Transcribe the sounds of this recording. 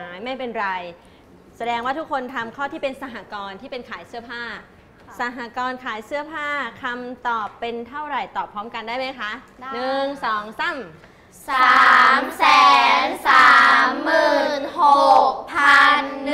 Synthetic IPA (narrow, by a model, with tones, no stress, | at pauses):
a˩˦jma˥˩jpe˧nɾa˧j | sa˧dɛː˧ŋwaː˥˩t̪ʰu˦˥kʰːo˧nt̪ʰa˧mkʰɔː˥˩t̪ʰiː˥˩pe˧nsa˧ɦa˨˧˦kɔː˧nt̪ʰiː˥˩pe˧nkʰaː˩˦jsɯ˥˩ɐpʰaː˥˩ | sa˧˩ɦa˨˩kɔː˧nkʰaː˩˦jsɯ˥˩ɐpʰaː˥˩kʰa˧mt̪ɔː˨˩pːe˧nt̪ʰa˥˩wɾa˨˩jt̪ɔː˨˩pʰːɔː˦˥mka˧ndaː˥˩jma˦˥jkʰa˦˥ʔ | nɯ˨˩ŋsɔː˨˩˦ŋsa˥˩m | saː˩˦msɛː˨˩˦nsaː˩˦˩mːɯː˨˩nho˨˩k̚pʰa˧nː